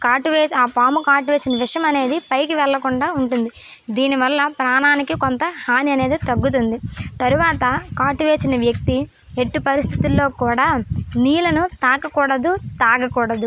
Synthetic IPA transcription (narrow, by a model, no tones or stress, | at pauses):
kaːʈuʋeːsaːpaːmukaːʈuʋe̞ːsinɐʋiʂjɐmɐne̞ːd̪ipɐjkiʋɛɭːɐkuɳɖaːuɳʈund̪i | d̪iːniʋɐlːɐpɾaːnaːnikikont̪ɐhaːniɐne̞ːd̪it̪ɐɡːut̪̬und̪it̪ɐɾuʋaːt̪ɐkaːʈuʋe̞ːsinɐʋjɐk̚t̪i | e̞ʈːipɐɾist̪ʰit̪ulːo̞ːkuːɽaːniːlɐnut̪aːkɐkuːɽɐd̪ut̪aːɡɐkuːɽɐd̪u